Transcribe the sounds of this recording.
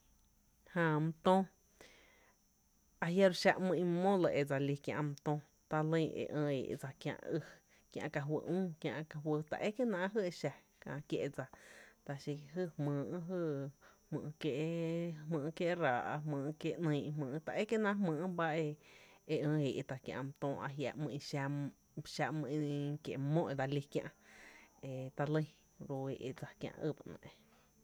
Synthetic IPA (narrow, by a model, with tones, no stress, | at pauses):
hã˧˨mũ˧t̪õ˦ | a˧ɦja˦ɾʃa˧ʔmɨ̃˧ĩ˧mõ˦lə˧ʔe˧˨d͡za˧˨li˧kjã̰˧ʔm˧t̪õ˦ | t̪a˧lə̃˧˦˧ḛ˨ʔə̃ː˧ḛ˨ʔd͡za˧˨kjã̰˧ʔɨ˧ | kjã̰˧ʔka˨ɦwə̰˧˨ʔũː˦kjã˧ʔka˧ɦwə˧t̪a̰˧˨ʔe˦ke˦nã˧ʔɦɨ˦e˧ʃa˧ | kã̰˧˨kjḛ˧ʔd͡za˧t̪a˨ʃi˧ɦɨ˦˧hmɨ̃ː˨˧˨ɦɨ˦˧hmɨ̰̃ː˧˨˧ke˧hmɨ̃ː˧˨˧kje˦ʔɾaː˨ʔa˧mɨ̃ː˧˨˧kje˧˦ʔnə̃˧˦˨ʔhmɨ̃ː˨˦t̪a˧ʔe˦ke˦nã˧˦mɨ̃ː˧˨ʔba˦e˧e˧ə̃ː˧e˨ʔt̪a˨kjã̰˧m˧t̪õː˧ʔa̰˧ʔɦja̰˧˨ʔmɨ̃˧ʔĩ˧ʃa˧ | ʃa˧mɨ̃˧ĩ˧kḛ˨ʔmõ˦ʔe˧d̪a˧li˧kjã̰˧ʔe˨t̪a˧lə˦˧j | ɾo˧e˨ʔe˧d͡za˨kjã̰˧ʔɨ˦˨ba˧nə̰̃˨ʔe˧